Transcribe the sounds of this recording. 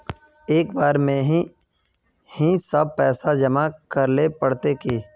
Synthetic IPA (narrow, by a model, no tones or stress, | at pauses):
eːkbaːɾmẽɦi | hĩsɐb̚pɛːsad͡ʒɐmakəɾlepɐɽt̪ekeː